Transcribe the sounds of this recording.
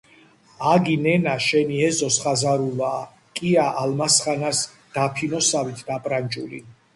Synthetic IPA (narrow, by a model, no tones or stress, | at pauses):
aɡinɛnaʃɛniɛzɔsχazaɾulaː | kʼiaʔalmasχanas | d̪̥apʰinɔsavit̪ʰd̪apʼɾant͡ʃʼulḭ